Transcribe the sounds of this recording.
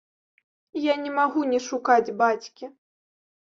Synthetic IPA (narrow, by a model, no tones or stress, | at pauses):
janʲɛmaɣunʲɛʂukad͡zʲbat͡sʲkʲi